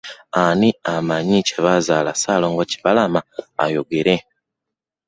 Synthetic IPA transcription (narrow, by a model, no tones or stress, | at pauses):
aniamaɲiceβazalasaloŋɡoci̥βalamaa̰joɡeɾe